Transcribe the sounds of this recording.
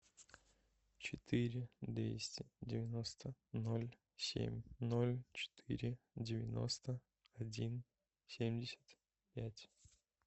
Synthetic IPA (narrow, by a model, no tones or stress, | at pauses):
t͡ɕɪt̪ʰɨɾʲɪd̪vʲḛsʲtʲɪdʲɪvʲɪno̞st̪ənolʲ | sʲḛmʲnolʲt͡ɕɪ̥t̪ʰɨ̰ɾʲɪ | dʲɪvʲɪno̞̰st̪ə | ɐdʲin | sʲemʲdʲɪsʲə̥t̪ | pʲætʲ